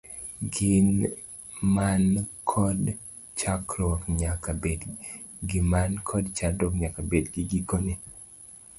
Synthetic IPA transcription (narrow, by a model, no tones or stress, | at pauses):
ɡɪn | mankʰɔd | t͡ʃakɾɔkɲakabed | ɡimankʰɔdt͡ʃakdɔkɲakabedɡiɡikoni